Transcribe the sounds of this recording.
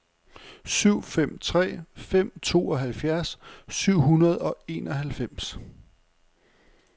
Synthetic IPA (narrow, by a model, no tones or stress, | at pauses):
syʊ̰fem̰t͡sʰʁɛ̰ːfem̰t͡sʰo̝̰ːɒ̽ɦælfjæɐsːyʊ̰ɦunɐð̞ˠɒ̽e̝ːnɒ̽ɦælfem̰s